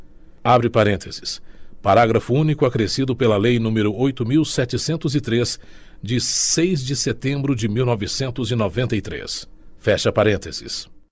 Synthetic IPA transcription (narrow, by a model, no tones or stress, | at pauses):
abɾɪpaɾẽnt̪ʰez̥ɪ̥spaɾaɡɾɐfʊũnikʊakɾesid̪ʊpelɐlejnũmɪɾʊojt̪ʊmiwsɛt͡ʃɪsẽnt̪ʊzɪt̪ɾes | d͡ʒɪsejzd͡ʒɪset̪ẽmbɾʊd͡ʒɪmiwnɔvɪsẽnt̪ʊzɪnɔvẽnt̪ɐit̪ɾḛsfɛʃɐpaɾẽnt̪ez̥ɪ̰s